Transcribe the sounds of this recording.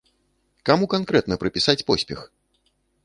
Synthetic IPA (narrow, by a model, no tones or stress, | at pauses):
kamukankɾɛt̪nɐpɾɨpʲisat͡sʲpɔsʲpʲɛ̰x